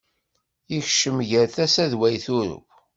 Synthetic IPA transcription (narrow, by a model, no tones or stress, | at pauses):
içʃəmʝəɾθæsæðwæjθʊɾʊ̰k